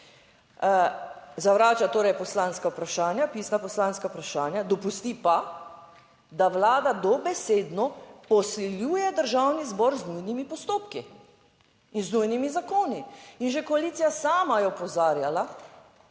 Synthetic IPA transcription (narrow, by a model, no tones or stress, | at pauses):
zaʋɾaːt͡ʃat̪oːɾɛjpɔslanskaupɾaʃaːnjapiːsnapɔslaːnskaupɾaʃaːnjad̪ɔpust̪ipa | d̪aʋlaːd̪ad̪ɔbɛseːd̪nɔpɔsliljuːjɛd̪əɾʒawnizbɔɾznujnimipɔst̪oːpki | inznujnimizakoːniinʒekɔaliːt̪sijasaːmajɛɔpɔzaːɾjala